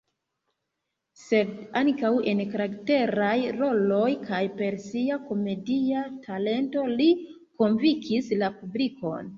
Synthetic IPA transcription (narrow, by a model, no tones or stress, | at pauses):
se̞daŋkawe̞nkaɾakte̞ɾajɾo̞lo̞jkʰajpe̞ɾsiako̞me̞diatʰale̞nto̞li | ko̞nvikʰislapubliko̞̰n